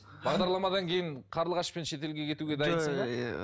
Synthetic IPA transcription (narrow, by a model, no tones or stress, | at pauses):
bɑʁd̪ɑɾlˠɑmɑd̪ɑŋkʲʰe̞jɪɴqʰɑɾlˠʁɑʃpe̞nʃe̞t̪e̞lɡʲe̞kʲʰe̞t̪uɡʲe̞d̪ɑjənsəɴɑ